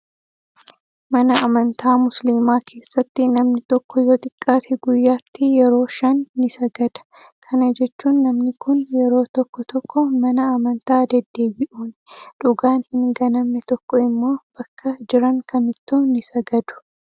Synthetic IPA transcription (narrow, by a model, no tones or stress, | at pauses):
mɐnɐːmɐnt̪ʰaːmʊsliːmaːkʰe̞ːsːɐt̪ːɪnɐmnɪt̪ɔkːɔjoːt̪ʼɪkʼːaːt̪ɛɡʊjːaːt̪ːɪjɛɾo̞ːʃɐnːɪsɐɡɐd̪̥ɐ̥kʰɐnɐd͡ʒɛt͡ʃːuːnːɐmnɪkʊnjɛɾo̞ːt̪ɔkːɔt̪ɔkːɔmɐnɐɐmɐnt̪aːd̪ɐd̪ːe̞ːbɪʔuːnᶑʊɡaːnhɪŋɡɐnɐmːɛt̪ɔkːɔɪmːo̞ːb̥ɐkʰːɐd͡ʒɪɾɐŋkʰɐmɪt̪ːuːnɪsɐɡɐd̪ʊ̥